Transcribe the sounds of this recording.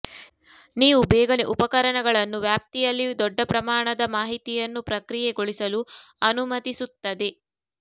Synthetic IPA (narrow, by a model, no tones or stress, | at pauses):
niːʋubɛːɡɐneʔupɐkɐɾɐɳɐɡɐɭɐnːuʋjaːp̚t̪ijɐlːid̪ɔɖːɐpɾɐmaːɳɐd̪ɐmaːɦit̪ijɐnːupɾɐkɾijɛɡoɭisɐluɐnumɐt̪isut̪ːɐd̪e